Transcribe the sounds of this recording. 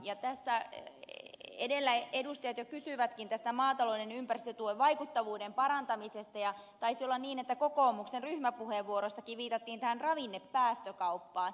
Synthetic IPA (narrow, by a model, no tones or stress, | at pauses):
jɑt̪æsːæ | edelːæedust̪ɑjɑt̪jokysyʋæt̪kint̪æst̪æmɑːt̪ɑloidenympærst̪øt̪ueʋʋɑikut̪ːɑʋuːdempɑɾɑnt̪ɑmisest̪ɑjɑt̪ɑisiolːɑnniːnet̪ːækokoːmuksenryhmæpuheʋːuoɾosːɑkiʋʋiːt̪ɑt̪ːiːnt̪æhænrɑʋinːepːæːst̪økɑupːɑːn